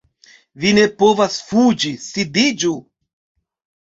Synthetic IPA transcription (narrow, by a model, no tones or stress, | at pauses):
vine̞povasfud͡ʒisid̪id͡ʒu